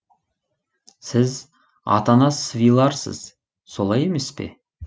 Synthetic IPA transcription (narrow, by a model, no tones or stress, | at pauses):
sɪz | ɑ̰t̪ɑnɑsvilˠɑɾsə̰z̥ | so̞lˠɑje̞me̞spe̞̰